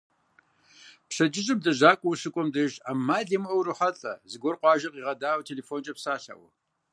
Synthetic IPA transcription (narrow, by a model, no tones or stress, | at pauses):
pɕɐd͡ʒɪʑʼɪb̚dɐʑaːkʷʼɔwɕɨkʷʼɔmdɐʒaːmaːɮɐmɐwrɨħɐɬʼɐzɨɡʷɔrqʷʼɑːʒɐqiːʁɐdaːwtʰeːleːfoːnt͡ʃʼɐpsaːɬa̰wɐ